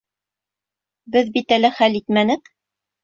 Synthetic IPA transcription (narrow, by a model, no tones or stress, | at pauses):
bɘðbit̪ælɘχælit̪mænɘk